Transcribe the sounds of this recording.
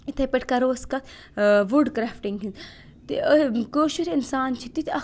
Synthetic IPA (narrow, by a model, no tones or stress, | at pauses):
it̪ʰɐpɐʈʰkɐɾoːskɐt̪ | ʋuɖkɾaːfʈiŋɡɦin | t̪ikoːʃuɾinsaːnt͡ʃʰit̪it̪ʰɐ